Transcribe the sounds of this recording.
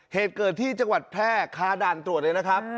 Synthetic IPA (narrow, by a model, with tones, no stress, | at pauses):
heː˨˩t̪̚kɤː˨˩t̪ʰːiː˥˩t͡ɕa˧ŋwa˨˩t̪̚pʰɛː˥˩kʰaː˦˥daː˨˩nt̪ɾu˨˩ət̚lɤː˧na˦˥kʰa˦˥p̚